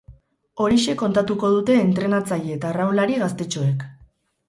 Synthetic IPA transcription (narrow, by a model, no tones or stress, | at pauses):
o̞ɾiʃe̞kːo̞nt̪at̪uko̞ð̞ut̪e̞ːnt̪ɾe̞nat͡sajeet̪arawlaɾiɣast̪e̞t͡ʃo̞e̞k